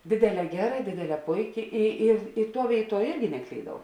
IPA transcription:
ˈdʲeːdʲeːˌlʲɛː ˈɡʲæːˌrɐ ˈdʲeːdʲeːˌlʲɛː ˈpʊɪˌkʲɪ ɪ ɪr ɪ ˈtuɔ ˈʋʲeːɪˌtuɔ ˈɪrʲɡʲɪ nʲɛˈklʲiːdɐʊ

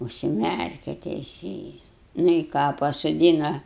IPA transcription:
ʊʃʲsʲɪˈmʲærʲkʲɛ tʲɛɪˈsʲeːjɪs nʊ ɪ ˈkɑː pɐsoːˈdʲiːnɐ

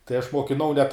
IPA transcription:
tɐɪ ɐʃ moːkʲɪˈnɐʊ nʲɛt

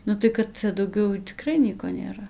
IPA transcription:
ˈnʊ tɐɪ kɐt ˈt͡sʲɛ dɐʊˈɡʲɛʊ tʲɪˈkrɐɪ ˈnʲiɛkoː nʲeːˈrɐ

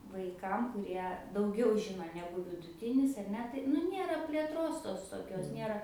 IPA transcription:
ˈʋɐɪkɐm kʊˈrʲiɛ dɐʊˈɡʲɛʊ ˈʒʲɪnoː ˈnʲæːɡʊ ʋʲɪdʊˈtʲɪnʲɪs ɐr ˈnʲɛ tɐɪ nʊ ˈnʲeːrɐ pʲlʲeːˈtroːs ˈtoːs toːˈkʲoːs ˈnʲeːrɐ

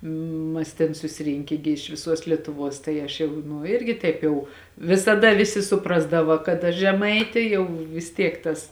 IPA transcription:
ˈmɐs tʲeːn sʊsʲɪˈrʲɪŋʲkʲeː ɡʲɪ ɪʃ ʋʲɪˈsuɔs lʲiɛtʊˈʋuɔs tɐɪ ˈɐʃ jɛʊ nʊ ˈɪrʲɡʲɪ ˈtɐɪp jɛʊ ʋʲɪsɐˈdɐ ˈʋʲɪsʲɪ sʊˈprɑːzdɐʋɐ kɐt ɐʃ ʒʲɛˈmɐɪtʲeː ˈjɛʊ ʋʲɪs ˈtʲiɛk ˈtɐs

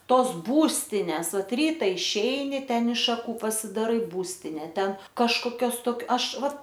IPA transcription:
ˈtoːs ˈbuːsʲtʲɪnʲɛs ˈʋɐt ˈrʲiːtɐ ɪʃʲˈɛɪnʲɪ ˈtʲɛn ɪʃ ʃɐˈkuː pɐsʲɪdɐˈrɐɪ ˈbuːsʲtʲɪnʲɛ ˈtʲɛn kɐʃkoːˈkʲoːs toːk ˈɐʃ ˈʋɐ

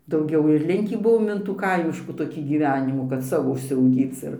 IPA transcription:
dɐʊˈɡʲɛʊ ɪr ˈlʲɪŋʲkʲiː ˈbʊʋoːm ɪn tuː ˈkɐɪmʲɪʃkuː ˈtoːkʲiː ˈɡʲiːʋʲɛnʲɪmuː kɐt ˈsɑːʋoː ʊʃʲsʲɛʊˈɡʲiːt͡s ɪr

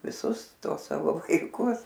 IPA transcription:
ʋʲɪˈsʊs ˈtuɔs ˈsɑːʋoː ʋɐɪˈkʊs

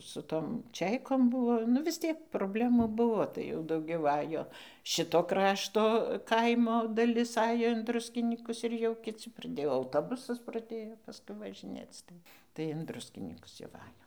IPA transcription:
sʊ ˈtoːm ˈt͡ʃʲɛɪkoːm ˈbʊʋoː nʊ ʋʲɪs ˈtʲiɛk proːbʲˈlʲæːmuː ˈbʊʋoː ˈtɐɪ jɛʊ dɐʊˈɡʲɛʊ ˈɑːjoː ˈʃʲɪtoː ˈkrɑːʃtoː ˈkɐɪmoː dɐˈlʲɪs ˈɑːjoː ɪn ˈdrʊsʲkʲɪnʲiːkʊs ɪr jɛʊ kʲɪˈt͡sʲɪ prɐˈdʲeːjoː ɐʊˈtoːbʊsɐs prɐˈdʲeːjoː pɐˈskʊɪ ʋɐʒʲɪˈnʲeːt͡s ˈtɐɪ tɐɪ ɪn ˈdrʊsʲkʲɪnʲiːkʊs jɛʊ ˈʋɐ ˈɑːjoːm

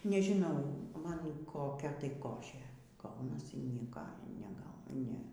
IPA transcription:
nʲɛʒʲɪˈnɐʊ ˈmɐn koːˈkʲɛ tɐɪ ˈkoːʃʲeː ˈɡɐʊnɐsʲɪ ˈnʲiɛkɐ nʲɛˈɡɐʊ ˈnʲɛ

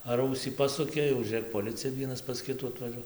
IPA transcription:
ɐr ˈɐʊsʲiː ˈpɑːsʊkʲeː jɛʊ ʒʲuːˈrʲeːk poːˈlʲɪt͡sʲɪjɛ ˈʋʲiɛnɐs pɐs ˈkʲɪtuː ɐtʋɐˈʒuɔ

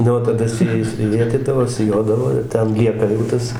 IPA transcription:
ˈnʊ oː tɐˈdɐ sʊ ˈjɛɪs ˈʋʲeːtʲiːdɐʋoː sʲɪˈjoːdɐʋoː ɪr ˈtʲɛn ˈlʲiɛkɐ jɛʊ ˈtɐs

